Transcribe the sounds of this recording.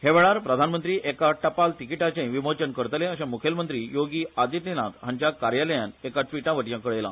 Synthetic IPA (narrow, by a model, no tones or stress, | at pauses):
heʋeɭaɾpɾəd̪ʱanmənt̪ɾiːʔekaʈəpalt̪ikiʈat͡ɕẽʋimot͡ɕənkəɾt̪lẽəɕẽmukʰjelmənt̪ɾiːjoɡiːad̪iʈ̪ninat̪ɦãɲt͡ɕjakaɾjaləjãnekaʈʋiʈãʋəʈjãkəɭejla̰